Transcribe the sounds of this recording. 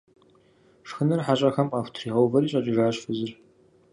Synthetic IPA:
ʂxɨnɨrħaɕʼɐxɐmqaːxʷtʰriːʁɐwvɐɾiːɕʼɐt͡ʃʼɪʒaːɕfɨzɨr

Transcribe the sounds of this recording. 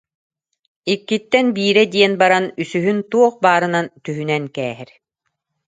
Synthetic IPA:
ikːit̪ːɛnbiːɾɛd̪iɛnbaɾanysyɦynt̪uɔχbaːɾɯnant̪yɦynɛnkɛːɦɛɾ

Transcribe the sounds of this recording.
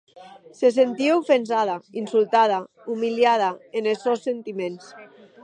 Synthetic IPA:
ses̬ent̪iaufensaðainsulˠt̪að̞a | umiljað̞aenelsosːent̪imẽns

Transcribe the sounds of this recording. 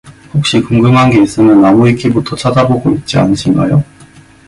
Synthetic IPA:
hok̚ɕ͈ikumɡɯŋɦanɡe̞is͈ɯmjʌnːamuikʰibutʰʌt͡ɕʰad͡ʑaboɡoit̚t͡ɕ͈ia̰nɯɕʰinɡajo

